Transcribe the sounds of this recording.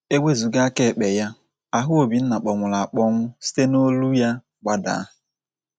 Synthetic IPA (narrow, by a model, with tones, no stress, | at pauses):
e˦we˦zu˨ɡa˦a˦ke˦˨k͡pe˨ja˦ | a˨ɦʊ˦o˨bi˨n̩˦na˨k͡pɔ˨ŋʷʊ˨la˨a˨k͡pɔ˦ŋʷʊ˦si̥˦te˦no˦lu˦ja˦ | ɡ͡ba˦da̰˨˦˨